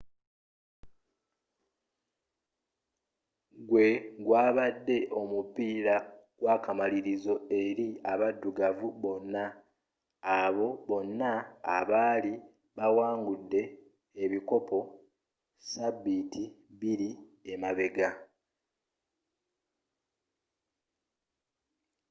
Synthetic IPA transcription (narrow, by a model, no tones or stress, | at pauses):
ɡwe̞ɡwaːβadːe̞ʔo̞mupiːɾaɡ̥waːkamaliɾizo̞e̞ɾiaβadːuɡavuβo̞nːaː | βo̞βo̞nːaːβaːli | βawaːŋɡudːe̞ː | βiko̞po̞ | sabːitʰi | βiɾiemaβe̞ɡa